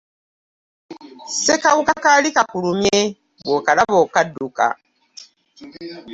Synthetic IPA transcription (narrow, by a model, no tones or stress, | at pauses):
sekawukakalikakulumje | βokalaβɔkaduka̰